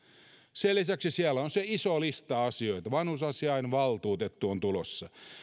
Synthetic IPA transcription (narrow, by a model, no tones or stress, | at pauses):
selisæksisiælːæonseisolist̪ɑɑsio̞it̪ɑʋɑnhusɑsiɑinʋɑlt̪uːt̪et̪ːuont̪ulosːɑ